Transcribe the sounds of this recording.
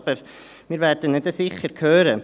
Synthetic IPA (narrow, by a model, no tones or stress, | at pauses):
b̥əɾ | miːɾvɛːɾd̥ənɪdəsɪχəɾkʰøːɾə